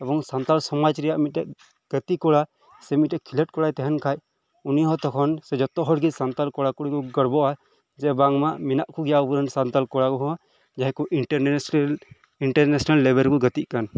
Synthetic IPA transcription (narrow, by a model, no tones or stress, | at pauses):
ɛbɔŋsant̪alsɔmad͡ʒɾɛjaʔmiɛʔ | ɡ̥ət̪ikɔɽa | sɛmit̚ɛʔkʰilɛʈ̚kɔɽajt̪ɛɦɛnkʰaj | uniɦɔ̃t̪ɔkʰɔnsɛd͡ʒɔt̪ɔɦɔɽɡisant̪alkɔɽakɔɽikɔɡəɽbɔʔa | d͡ʒɛbaŋmaʔminaʔkʰuɡɛjabuɾənsant̪alkɔɽakɔɦɔ̃ | d͡ʒaɦɛ̃kuʔi | iɳʈɛɾnɛsɔnalːɛbɛɾkɔɡət̪iʔ̚kan